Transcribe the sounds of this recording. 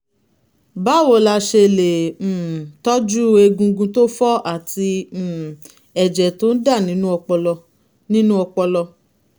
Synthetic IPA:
ba˦˨wo˨la˧ʃe˧˨le˨ | tɔ˦d͡ʒu˦e˧ɡũ˧ɡũ˧to˦fɔ˦ʔa˦˨ti˧˨ | ɛ˨d͡ʒɛ˨to˦n̩˦da˦˨nĩ˨˦nũ˦ɔ˧k͡pɔ˧lɔ˧ | nĩ˦nũ˦ɔ˧k͡pɔ˧lɔ˧

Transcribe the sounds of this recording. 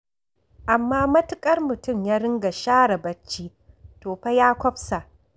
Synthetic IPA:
ʔa˨mːaː˦mɐ˦tʊ˦kʼɐ˦rmʊ˨tʊ˦˨mjaː˦ɾɪ˦ŋɡa˨ʃaː˦ɽɐ˨bɐ˦t͡ʃːiː˦ | toː˨ɸa˦jaː˦kʷɔ˦ɸsa˨ʔ

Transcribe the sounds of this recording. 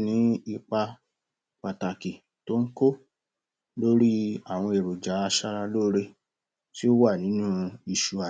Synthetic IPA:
nĩ˨˦i˧k͡pa˧ | k͡pa˨ta˨ki˨ | to˦ŋ̩˦ko˦ | lo˦ɾi˦a˦˨w̃ɔ̃˧e˨ɾo˨d͡ʒa˨˦a˧ʃa˧ɾa˧lo˦ɾe˧ | ti˦o˦wa˦˨nĩ˨˦nũ˦i˧ʃu˨a˨

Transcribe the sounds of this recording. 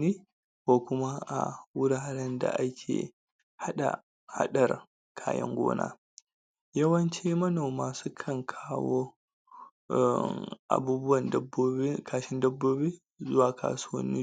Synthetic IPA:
niː˦ | kʷo˨kʷʊ˦ma˦ʔa̰˨wʊ˦ɽaː˨ɾɛ˦nda̰˨ʔa˦kʲʰḛː˨ | ha˦ɗa̰˨ | ha̰˦ɗɐ˨r | kʰaː˦jɐ̰˦ŋɡʷo̰ː˦na̰ː˦ | jɐ˦wɐ˦nt͡ʃi˦mɐ˦noː˨maː˨suː˦kʰɐ˦˨ŋkʰaː˦woː˦˨ | ʔa̰˨buː˦bʊ˦wɐ˨ndɐ˦boː˦kʰaː˨ʃɪ˦ndɐ˦bːoː˦bi˦ | zʊ˦waː˨ka̰ː˨su˦wɐ̰˦nːi˦

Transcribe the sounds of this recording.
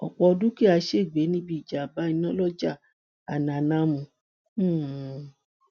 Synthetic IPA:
ɔ̰˨k͡pɔ˧ɔ˧dũ˦ki˦a˧ʃe˦˨ɡ͡be˨˦nĩ˦bi˦i˨d͡ʒa˨ba˨˦ĩ˧nã˦lɔ˦d͡ʒa˦˨ | a˨nã˨nã˨˦mũ˧˨˦

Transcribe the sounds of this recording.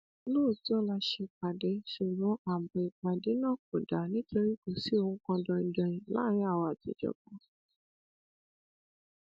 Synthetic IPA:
loː˦˨tɔ̃˦la˧ʃe˧k͡pa˨dɛ˨˦ʃu˨ɡ͡bɔ̃˨˦a˨bɔ̃˨i˨k͡pa˨de˨˦nã˦˨k͡po˨da˨nĩ˦to˧ɾi˦ku˨si˨˦o˧ũ˦kɔ̃˧dɔ̃˧ĩ˧˨dɔ̃˨j̃ĩ˨la̰˦ɾ̃ĩ˦a˦˨wɔ˧a˨tḭ˨˧d͡ʒɔ̰˨ɡɔ̃˨˦

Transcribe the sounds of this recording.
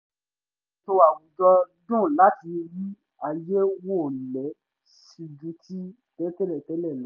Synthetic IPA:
to˧a˨wũ˨d͡ʒɔ˧dũ˦˨la˨˦ti˧ɾi˦ | a˨je˦wo˦˨lɛ˨˦ | ʃi˨d͡ʒũ˨˦ti˦ | tɛ˦tɛ˦lɛ˦˨tɛ˨˦lɛ˦˨lɔ˨˦

